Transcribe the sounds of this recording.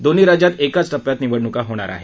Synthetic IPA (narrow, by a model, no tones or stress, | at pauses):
d̪oniːɾad͡ʑjat̪ekat͡sʈəpjat̪niʋəɽnukaɦoɽ̃a̰ɾa̰ɦe